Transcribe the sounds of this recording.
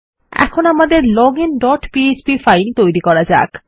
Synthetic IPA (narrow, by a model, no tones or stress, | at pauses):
ɛ̰kʰonamad̪eɾlɔɡinɖɔʈpiet͡ɕbifajnt̪ojɾikɔɾad͡ʑa̰k